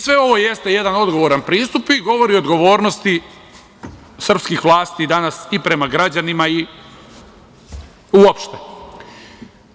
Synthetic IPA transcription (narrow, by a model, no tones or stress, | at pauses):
sʋe̞o̞ʋo̞je̞st̪e̞je̞d̪ano̞d̪ɡo̞ʋo̞ɾanpɾiːst̪upiɡo̞ʋo̞ɾiod̪ɡo̞ʋo̞ːɾno̞st̪i | sr̩pskixʋlˠaːst̪id̪anasipɾe̞maɡɾad͡ʑanimai | uopʃt̪e